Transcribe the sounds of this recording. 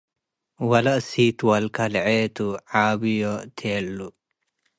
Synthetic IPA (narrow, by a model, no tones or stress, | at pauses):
wɐlɐʔsit̪wɐlkɐlʕeːt̪uʕaːbijɔt̪ʰeːlːu